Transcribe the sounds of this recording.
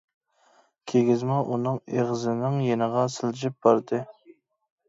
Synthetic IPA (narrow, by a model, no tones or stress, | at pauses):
kʲʰeɡʲɪzmɑʔunɨŋeʁzɨnɪŋjenəʁɑsɨld͡ʒɪp̚b̥ɑɾd̪ɨ